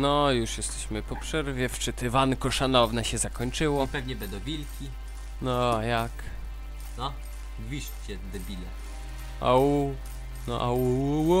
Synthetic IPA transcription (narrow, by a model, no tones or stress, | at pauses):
nɔjuʂjɛst̪ɛɕmɘpɔpʂɛɾvʲjɛft͡ʂɘt̪ɘvankɔʂanɔvnɛɕɛzakɔɲt͡ʂɘwɔpɛvɲɛbɛnd̪ɔ̃w̃vʲilkʲi | nɔajak | nɔ | vʲiʂt͡ɕɛd̪ɛbʲilɛ̰ | a̰u | nɔ̰ʔawu